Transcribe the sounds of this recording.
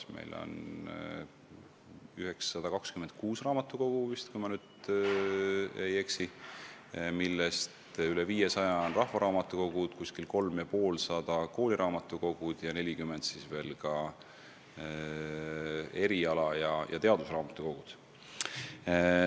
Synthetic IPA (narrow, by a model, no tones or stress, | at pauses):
mḛjlo̰n | yheksːɑd̪̥ɑkɑkskymend̪̥̚kuːsrɑːmɑt̪ːˑuko̞ɡ̥uvist̪kujmɑnyːd̪̥ | ejeksi | milːest̪yleviːjesɑjɑonrɑhvɑɾɑːmɑt̪ːˑuko̞ɡ̥ud̪̥kuskilko̞lmjɑpo̞ːlsɑd̪̥ɑko̞ːlʲiɾɑːmɑt̪ːˑuko̞ɡ̥ud̪̥jɑne̞lʲikymend̪̥sisve̞ːlkɑ | e̞ɾiɑlɑjɑjʔɑ̰t̪e̞ɑd̪̥usrɑːmɑt̪ːˑuko̞ɡ̥ud̪̥